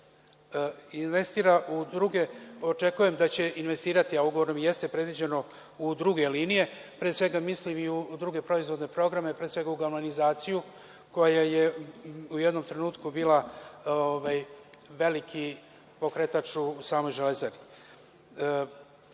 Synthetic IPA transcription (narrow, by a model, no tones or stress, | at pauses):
inʋe̞st̪iːɾaʔud̪ɾuɡe̞o̞t͡ʃe̞kuje̞md̪at͡ɕe̞inʋest̪iːɾat̪iauɡo̞ʋoɾomjest̪e̞pɾe̞d̪ʋid͡ʑeno̞ | ud̪ɾuɡe̞liːnije̞pɾeːsʋe̞ɡamislimiud̪ɾuɡe̞pɾo̞izʋo̞d̪ne̞pɾo̞ɡɾame̞pɾeːsʋe̞ɡauɡaɾmonizaːt̪siju | ko̞jaje̞ujed̪no̞mt̪ɾe̞nuːt̪kubiːlˠaoʋajʋe̞likʰi | po̞kɾe̞t̪at͡ʂusaːmo̞jʒelezebi